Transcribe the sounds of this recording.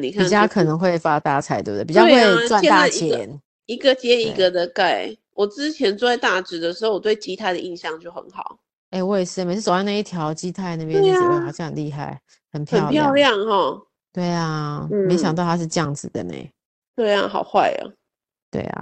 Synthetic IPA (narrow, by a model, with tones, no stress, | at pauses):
ni˨˩kʰapi˥n˩t͡ɕjɑ˥ʊkʰɤ˨˩nə˧˦ŋxwe˥˩ɪfa˦t̪a˥˩t͡sʰa˧˥ɪt̪ṵ˥˧˩də˩pi˨˩t͡ɕjɑ˥we˥we˥˧ɪt͡swa˥˨n˥˧t̪aa˩˥˨t͡ɕi˧jɛ˧˦˧n | i˧ɡə˨t͡ɕjɛ˦i˨˥ɡə˨d̪ə˨ka˥˩ɪ | wɔ˨˩t͡sɻ̩˦˥t͡ɕʰjɛ˧˦nt͡su˥˧a˥˧t̪a˥˩ʈ͡ʂɻ̩˧˥d̪ə˨˩ʂɻ̩˧˥ho˥˩ʊwɔ˨˩t̪we˥˩ɪt͡ɕi˧˥t̪ʰa˥ɪd̪ə˨i˥˧nɕjɑ˥˧ŋt͡ɕjo˥˩ʊxə̰˧˦nxɑ˨˩˦ʊ | e˥˧ɪwe˥˧ɪsɻ̩˥˩me˨˧˩ʂ̩˥˩o˨˩wa˥˧na˥˧i˥˩t̪ʰjɑ˧˥ʊt͡ɕi˦˥t̪ʰa˥˧ɪna˥˧bj̃a˥˩ɑ˨˩ɕjɑ̃˥ŋxə˨˩nli˥˧xa̰˥˩ɪ | hə˨˩npʰjə˨˥n˧ʊpʰjɑ˥˧ʊljɑ˥˨˧ŋhɔ˥˨˩ | t̪we˥˩ɪa˩˥me˧˥ɪɕjɑ˨ŋt̪ɑ˥ʊt̪ʰa˥ʂ̬ɻ̩˥˧ʈ͡ʂə˥jɑ˥˩ŋd͡zɹ̩˨˩d̪ə̰˩nḛ˨˩ɪ | ʈ͡ʂə˥˧jɑ̰˥˨˩ŋxɑ˨˩ʊxwa˥˩ɪə̰˨˩ | t̪wḛ˥˩ɪa̰˨˩